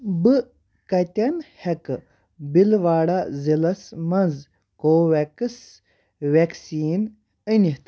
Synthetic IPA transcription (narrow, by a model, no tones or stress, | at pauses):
bɨ | kɐt̪ʲɐnhɐkɨ | bilʋaːɽazilɐsmɐnz | koːʋekɨs | ʋeksiːn | ɨnʲiht̪